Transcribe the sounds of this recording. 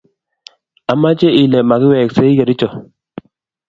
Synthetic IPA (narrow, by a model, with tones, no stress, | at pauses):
a˨ma˦t͡ʃe˦ɪ˨lɛ˨ma˨kɪ˦wɛ˨kse˦i˦ke˨ɾɪ˦t͡ʃɔ˨